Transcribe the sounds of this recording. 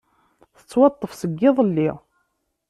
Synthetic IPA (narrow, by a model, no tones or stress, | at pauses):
θə̥t͡sːwɑt̪ˤːəfsəɡːɪðˤəlːi